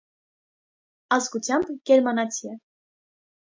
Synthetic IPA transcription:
ɑzɡut͡sʰjɑmbɡ̥ɛɾmɑnɑt͡sʰiɛ

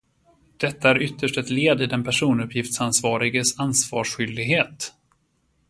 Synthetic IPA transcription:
d̪̥ɛt̪ːaæɾʏt̪ːəʂʈɛt̪leːd̪ɪd̪ɛnpʰæʂuːnɵpʰːjɪft̪sansvɑːɾɪɡəsansvɑːʂɧʏld̪ɪɡɦeːt̪

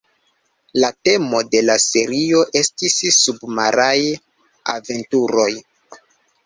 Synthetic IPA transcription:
late̞mo̞de̞lase̞ɾio̞ʔe̞stisːubmaɾaj | a̰ve̞ntuɾo̞j

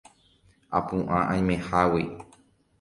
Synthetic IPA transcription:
apũʔãʔãj̃mẽhawi

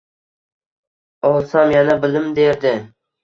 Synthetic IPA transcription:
ɒlˠsamjanabɪlɪmd̪eɾd̪ɪ

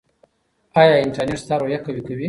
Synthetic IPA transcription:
ajaɪnʈaneɾst̪aɾojakawikawi

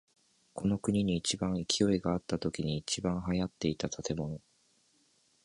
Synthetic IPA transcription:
ko̞no̞kɯ̟ɲ̟iɲ̟iːt͡ɕibãɰ̃ikʲʰijo̞iɡaːt̪ːat̪o̞kʲiɲ̟iːt͡ɕibãɰ̃ɦajat̪ːe̞it̪at̪ʰat̪e̞mo̞no̞

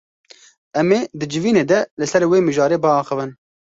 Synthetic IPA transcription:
ɛmeːd̪ɨd͡ʒɨviːneːd̪ɛlɨsɛɾweːmɨʒɑːɾeːbəɑːxəvɨn

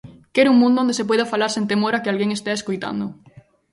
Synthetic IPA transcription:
keɾuŋmũnd̪ʊõnd̪esep̬wejðafalaɾsent̪emoɾakɪalɣeŋest̪eeskojt̪a̰nd̪ʊ

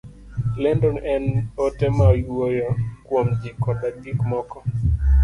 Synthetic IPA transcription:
lɛndɔnɛnɔtɛmajwojɔkwomd͡ʒikɔdaɡikmɔkɔ

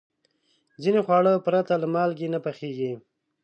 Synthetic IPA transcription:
d͡zinexwɑɽəpɾat̪aləmɑlɡenapaxeɡi

